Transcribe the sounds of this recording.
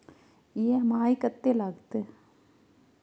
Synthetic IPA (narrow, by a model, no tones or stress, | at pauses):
jemaːikət̪ːelaːɡt̪e